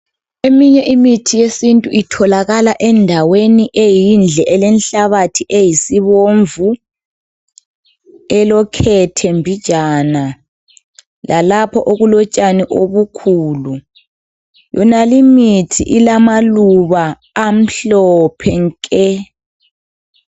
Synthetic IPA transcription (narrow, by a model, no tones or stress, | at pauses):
emiɲɛʔimitʰijesintʼuitʰɔlaɣalaʔɛndʱaweniʔejind͡ɮʱɛʔɛlɛnɬaβatʰiʔejisiβoɱvu | ɛlɔkʰɛtʰɛmbʱid̥ʒ̥ʱana | lalapʰɔʔoɣulɔt͡ʃʼaniʔoβukʰuːlu | jɔnalimitʰḭʔilamaluβaː | m̩ɬɔpʰɛŋkʼɛ